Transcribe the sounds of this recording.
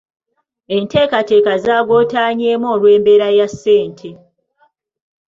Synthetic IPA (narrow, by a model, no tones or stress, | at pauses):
ente̞ːkate̞ːkazaːɡo̞ːtaːɲeːmoːlwe̞ːmbe̞ɾajasːe̞ːntʰe